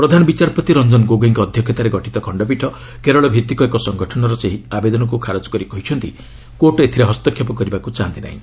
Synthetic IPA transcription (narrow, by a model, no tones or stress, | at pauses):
pɾɔd̪ʱanɔbit͡ʃaɾpɔt̪iɾɔnd͡ʒɔnɡoɡiŋkɔːd̪ʱjɔkʰːjɔt̪aɾeɡɔʈʰit̪ɔkʰɔɳɖɔp̬iʈʰɔ | keɾɔɭɔbʱit̪ikɔekɔsɔŋɡɔʈʰɔnɔɾɔseɦiabed̪ɔnɔk̬ukʰaɾɔd͡ʒɔ̥kɔɾikɔɦit͡ʃʰɔnt̪i | koʈet̪ʰiɾeɦɔst̪ɔkʰjɔpɔkɔɾibakut͡ʃaɦant̪ina̰ɦḭ̃